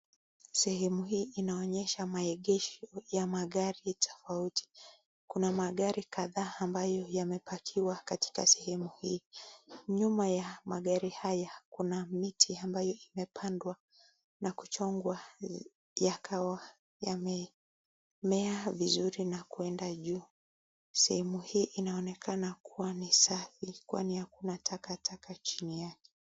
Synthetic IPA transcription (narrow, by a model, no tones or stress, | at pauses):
sɛhɛmuhiːʔinaɔɲɛʃamaɛɠɛʃɔjamaɠaɾitʰɔ̥fautʰi̥ | kunamaɠaɾikaðaːmbajɔjamɛpakʰiwakati̥kasɛ̥hɛmuhiː | ɲumajamaɠaɾihajakunamitʰiambajɔimɛpʰandwa | naku̥t͡ʃɔŋɡwa | jakʰawa | jamɛ | mɛavizuɾinakuɛndaʄuː | sɛhɛmuhiːʔinaɔnɛkʰanakʰuwanisafikwa̰nihakunatʰakatʰakʰat͡ʃinijakɛ̥